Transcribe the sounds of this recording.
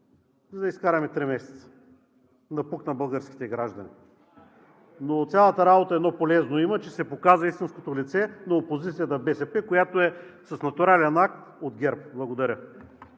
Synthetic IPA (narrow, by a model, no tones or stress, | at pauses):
zɐd̪ɐiskaɾɐmɛt̪ɾimɛsɛ̥t̪sə̥ | nɐpuknɐbəlˠɡəɾsk̟ʲi̥t̪ɛɡɾaʒd̪ɐni | not̪sʲjalˠət̪əɾabot̪əɛd̪nɔpolɛznoimət͡ʃɛsɛpokazvɐist̪inskot̪olit̪sɛnɐopozit̪sijət̪əbɛsɛpɛkojat̪oɛsɐsnɐt̪ʊɾalʲɛnak̚t̪od̪ɡʲɛɾpblˠɐɡod̪ɐɾʲə